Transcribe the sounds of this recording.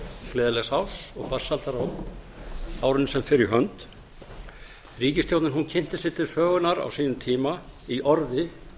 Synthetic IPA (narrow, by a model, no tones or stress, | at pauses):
klɛːðalɛshawsɔɣfar̥salt̪aɾaw | aːwɾɪnsɛmfɪɾɪɾɦœnt̪ | riːcɪst̪jowt̪nɪnɦuncʰɪn̥t̪ɪsɪ̥t̪ʰɪlsœːɣʏnaɾa̰wsiːnʏmt̪ʰiːma | iʔɔɾðɪ